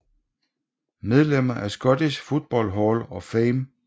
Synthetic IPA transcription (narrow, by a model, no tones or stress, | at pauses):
með̞ˠlem̰ɐʔæsɡ̥ɒ̽d̥isfo̝ð̥̚ˠb̥ɒl̰ɦɒlɒ̽fɛːm